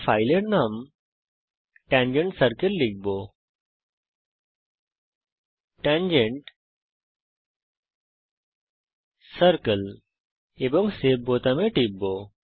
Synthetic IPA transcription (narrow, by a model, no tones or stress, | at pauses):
fʰajleɽnam | ʈãɲd͡ʑeɳʈsəɾkəlːik̚bo | ʈãnd͡ʑeɳʈ | səɾkəl | ebɔŋɡseb̚bot̪ameʈik̚bo